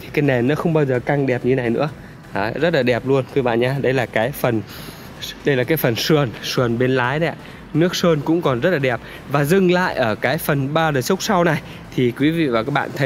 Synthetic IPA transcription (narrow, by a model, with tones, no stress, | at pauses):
t̪ʰi˨kaː˨˦jnɛ˨˩nːɔ˨˦xə˧wŋ͡mɓaː˧wzəː˨˩ka˧ŋɗɛ˨˩p̚ɲɨ˧e˦na˨˩jnɨ̰˧˥ə | ʔaː˨˩zə˦˥t̚laː˨˩ɗɛ˨˩p̚lu˧ənkwi˧˦ɓa̰ː˧˨nɲaː˧˩ɗə˧jlaː˨˩kaː˨˦jfə˨˩n | ɗə˧jlaː˨˩kaː˨˦jfə˨˩nsɨ˨˩ənsɨ˨˩ənɓe˧nlaː˨˦jɗa˧˦˧ | nɨ˦˥ək̚səː˧nkʊ̰˧˥ŋ͡mkɔ˨˩nzə˦˥t̚laː˨˩ɗɛ˨˩p̚ | vaː˨˩zɨ˨˩ŋla̰ː˧˨jʔəː˧˩kaː˨˦jfə˨˩nɓaː˧ɗəː˨˩sʊ˦˥k͡p̚sa˧wna˨˩j | t̪ʰi˨˩kwi˨˦vḭ˧˨vaː˨˩kaː˦˥k̚ɓa̰ː˧˨nt̪ʰ